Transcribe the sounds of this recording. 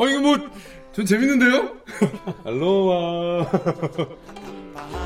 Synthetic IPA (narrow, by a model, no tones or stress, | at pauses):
ʌiɡɯmot̚ | t͡ɕont͡ɕe̞minːɯndejo | halːowa